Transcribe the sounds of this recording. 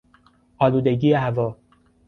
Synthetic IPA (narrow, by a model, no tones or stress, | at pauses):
ʔɒːluːd̪eɟiːeɦævɒː